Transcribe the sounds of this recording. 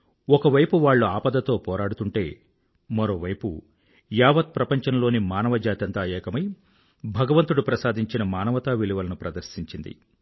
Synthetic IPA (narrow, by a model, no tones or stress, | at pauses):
ɔkɐʋɐjpuʋaːɭːuaːpɐd̪ɐt̪o̞ːpɔːɾaːɽut̪uɳʈe̞ː | mɐɾo̞ːʋɐjpṵ | jaːʋɐt̪̚pɾɐpɐɲt͡ʃɐnlo̞ːnimaːnɐʋɐd͡ʒaːt̪ɐnt̪aːɛːkɐmɐj | bʱɐɡɐʋɐnt̪uɽupɾɐsaːd̪ʱiɲt͡ʃinɐmaːnɐʋɐt̪aːʋiliʋɐlɐnupɾɐd̪ɐɾsiɲt͡ʃind̪ḭ